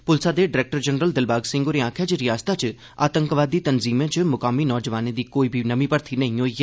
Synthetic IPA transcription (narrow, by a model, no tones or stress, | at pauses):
pʊlsaːd̪eɖɪɾɛːk̚ʈəɾd͡ʒənɾəld̪ɪlbaːɡsɪ̃ŋɡoɾeãːkʰjat͡ʃəɾɪjaːst̪at͡ʃ | a̰ːt̪ə̃ŋkʋaːd̪ːiːt̪ənziːmẽt͡ʃmʊkaːminɔːd͡ʒʋaːned̪iːkoːiːbʱinəmĩpəɾt̪ʰinɐ̃ɦĩɦoːi